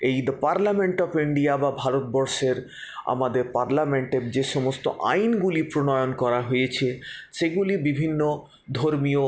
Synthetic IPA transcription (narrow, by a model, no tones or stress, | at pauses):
ejd̪əpaɾlameɳʈɔfiɳɖiababʱaɾot̪̚bɔɾʃeɾ | a̰mad̪eɾpaɾlameɳʈed͡ʑeʃɔmost̪o̰ʔa̰jnɡulipɾonɔjonkɔɾaɦojet͡ɕʰeʃeɡulibibʱinːo | d̪ʱoɾmio